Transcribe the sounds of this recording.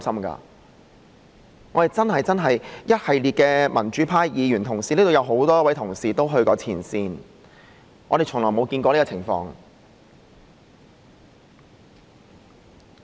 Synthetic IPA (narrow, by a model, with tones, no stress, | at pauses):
sɐ˥mka̰ː˧ | ŋɔː˨˧t̪e˨jt͡sɐ˥nhɐ˨jt͡sɐ˥nɦɐ˨jjɐ˥t̚hɐ˨jliː˨t̚kɛː˧mɐ˨˩nt͡ʃyː˨˥pʰaː˥jjiː˨˧jyː˨˩nt̪ʰʊ˨˩ŋsiː˨li˥t̪o˨wjɐ˨˧wɦo˨˥wt̪ɔː˥j̚wɐ˨˥jt̪ʰʊ˨˩ŋsiː˨t̪o˥wɦɵ˧ɥkɔː˧t͡sʰiː˨˩nsiː˧n | ŋɔː˨˧ɾe˨jt͡ʃʰʊ˨˩ŋlɔː˨˩jmo˨˧wkiː˧nkɔː˧li˥kɔː˧t͡sʰɪ˨˩ŋfɔ̰ː˧ŋ